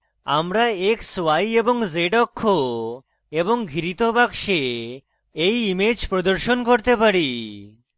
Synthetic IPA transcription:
a̰mɾaekswajeboŋzeɖɔkʰːo | eboŋɡʱiɾit̪obakʃe | ejimed͡ʑpɾod̪oɾʃonkoɾt̪epaɾi

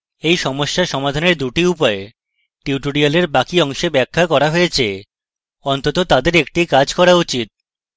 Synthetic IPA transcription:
ejʃɔmoʃːaʃɔmad̪ʱaneɾd̪uʈiupɔe | ʈiuʈoɽialeɾbakiɔŋʃebɛkʰːakɔɾaɦoet͡ɕʰe | ɔnt̪ot̪ot̪ad̪eɾek̚ʈikad͡ʑkɔɾaut͡ɕit̪̚

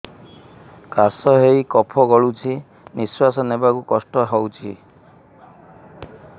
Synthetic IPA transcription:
kasɔɦejkɔpʰɔɡɔɭut͡ʃʰi | niswasɔnebakukɔsʈɔɦɔwt͡ʃʰi

